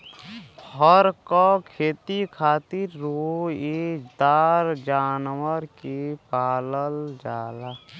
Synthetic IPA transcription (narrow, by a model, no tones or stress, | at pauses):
həɾkɔkʰeːt̪ikʰaːt̪iɾːuid͡ʒd̪aːɾd͡ʒaːnwəɾkipaːləld͡ʒaːla